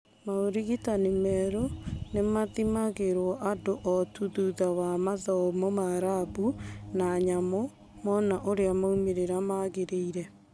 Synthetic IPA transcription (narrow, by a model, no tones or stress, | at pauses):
maoɾiɣitanimɛɾonemaðimaɣeɾwɔʔadoʔɔtuðuðawamaðɔmɔmaːɾabunaɲamɔ | mɔnaʔoɾeamaumeɾeɾamaɣeɾeiɾɛ